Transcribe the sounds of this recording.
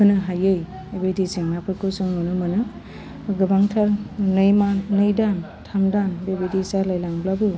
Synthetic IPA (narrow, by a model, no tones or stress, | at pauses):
ɯnɯɦajɯj | ebediseŋmapʰɯɾkosɯŋnonɯmɯnɯ | ɡɯbaŋtʰaɾnɯjmanɯjdantʰamdanbebedisaɾlajlaŋblabɯ